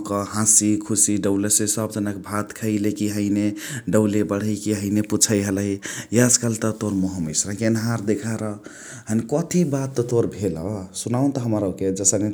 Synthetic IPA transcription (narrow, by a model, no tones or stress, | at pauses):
kəɦãsikʰusiɖəwlesesəbd͡ʒənakebʱat̪kʰəɪlekiɦəɪneɖəʊlebəɽ̤əɪkiɦəɪneput͡ʃʰəjɦəlɦijəskəlt̪ət̪oɾmoɦəmḭsɾəkiənɦaɾd̪ekʰaɾə | ɦənkɔt̪ʰibat̪ːɔt̪oɾbʱeləsunaũt̪ɔɦəməɾəked͡ʒəsəne